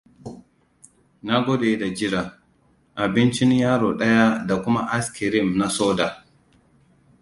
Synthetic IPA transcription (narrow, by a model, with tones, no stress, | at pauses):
na˦ɡʷɔ˦deː˨˦da˨d͡ʒɪ˦ɾa˨ | ʔa˨bɪ˦nt͡ʃɪ˦njaː˦ɾoː˨ɗɐ˦ja˦da˨kʷʊ˦ma˦ʔa˦skɪ˨ɾɪ˦˨mna˦soː˦da˨